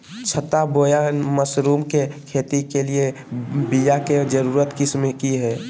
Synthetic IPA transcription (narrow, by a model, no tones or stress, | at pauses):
t͡ʃʰət̪aboːjaməsɾuːmkekʰeːt̪ikelie | bijaked͡ʒəɾuːɾət̪kɪsmekiɦɛː